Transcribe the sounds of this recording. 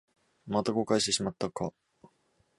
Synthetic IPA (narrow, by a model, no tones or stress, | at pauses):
mat̪aɡo̞kaiɕit̪e̞ɕimat̪ːaka